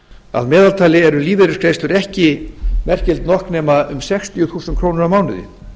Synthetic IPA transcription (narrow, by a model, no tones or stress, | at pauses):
a̰ðmɛːðalt̪ʰaːlɪɛɾʏliːveɾʏskʰɾejst̪lʏɾɛhcɪmɛr̥cɪlt̪nɔhknɛːmaʏmsɛxst̪ʰjʏθuːsɛnt̪kʰɾoːwnʏɾamaːwnʏðɪ̰